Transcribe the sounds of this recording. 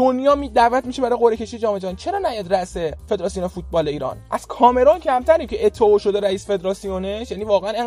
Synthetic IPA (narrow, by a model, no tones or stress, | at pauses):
d̪̥onjɒːmid̪æːvæt̪miʃebæɾɒjɣo̞ɾecʰe̞ʃijed͡ʒɒːme̞d͡ʒɒnit͡ʃʰe̞ɾɒːnæjæd̪ræʔsefed̪ɾɒːsijonefut̪̚bɒːle̞iːɾɒ̰ːnʔæz̥kʰɒːme̞ɾoncʰæmt̪ʰæɾiːmcʰeʔet̪ʰːeoːʃo̞d̪eɾæiːsfe̞d̪ɾɒːsijoneʃjæːniːvɒːɣeæne